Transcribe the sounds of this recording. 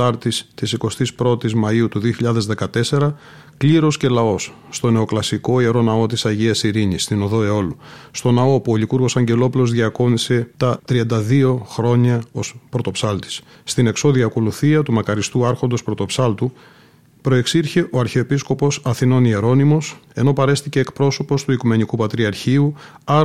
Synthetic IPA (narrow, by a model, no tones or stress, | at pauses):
ɐɾt̪ist̪isiko̞st̪ispɾo̞t̪izmɐiut̪uðio̞çiʎɐðe̞zðe̞kɐt̪e̞se̞ɾɐ | kliɾo̞sce̞lɐo̞sːt̪o̞ne̞o̞klɐsiko̞ie̞ɾo̞nɐo̞t̪isɐʝiɐsiɾiɲist̪ino̞ðo̞e̞o̞lust̪o̞nɐo̞puolikuɾɣo̞sɐɲɟe̞lo̞pulo̞zðʝiɐko̞nise̞t̪ɐt̪ɾiɐnd̪ɐðio̞xɾo̞ɲɐo̞spɾo̞t̪o̞psɐlt̪i̥sː | t̪ine̞kso̞ðiɐko̞luθiɐt̪umɐkɐɾist̪uɐɾxo̞nd̪ospɾo̞t̪o̞psɐlt̪u | pɾo̞e̞ksiɾçe̞ʔo̞ɐɾçeoepisko̞po̞sɐθino̞nie̞ɾo̞nimo̞se̞no̞pɐɾe̞st̪ice̞ːkpɾo̞so̞po̞st̪uikume̞nikupɐt̪ɾiɐɾçiu | ɐ